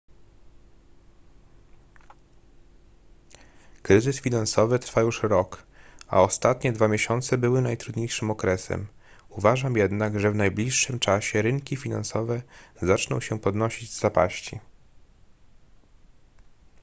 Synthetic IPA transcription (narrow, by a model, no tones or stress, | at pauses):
kɾɘzɘsfʲinansɔvɘt̪ɾfajuʂɾɔka̰ɔst̪at̪ɲɛd̪vamʲjeɕɔnt̪sɛbɘwɘnajt̪ɾud̪ɲejʂɘmɔkɾɛsɛ̰m | uvaʐamjɛd̪naɡʐɛvnajblʲiʂːɘmt͡ʂaɕɛɾɘŋkʲifʲina̰nsɔvɛzat͡ʂnɔ̃w̃ɕɛpɔd̪nɔɕid͡ʑzzapa̰ɕt͡ɕḭ